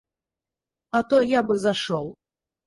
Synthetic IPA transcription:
ɐt̪ɔjabɨzaʂɔwˠ

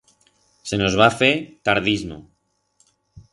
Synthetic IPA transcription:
se̞no̞zβ̞afet̪aɾð̞izmo̰

